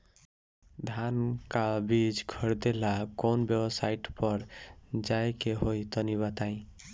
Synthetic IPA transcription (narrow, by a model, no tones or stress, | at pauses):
d̪ʱankabid͡ʒɡʱʌɾd̪elakɔnbjebsaiʈpʌɾd͡ʒaekeɦojt̪ɔniβat̪aĩ